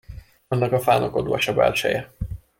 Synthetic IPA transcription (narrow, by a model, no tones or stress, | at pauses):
ɒnːɒkɒfaːnoko̞d̪oːɒʃɒbɛ̰lt͡ʃɛ̰jɛ